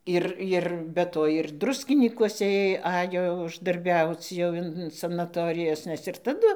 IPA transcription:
ˈɪr ˈɪr bʲɛ ˈtoː ɪr ˈdrʊsʲkʲɪnʲiːkuɔsʲɛ ˈeːj ˈɑːjoː ʊʒdɐrʲˈbʲɛʊt͡s jɛʊ ˈɪn sɐnɐˈtoːrʲɪjɛs ˈnʲɛs ɪr tɐˈdʊ

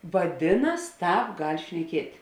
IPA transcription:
ʋɐˈdʲɪnɐs ˈtɑːp ɡɐlʲ ʃʲnʲɛˈkʲiɛtʲ

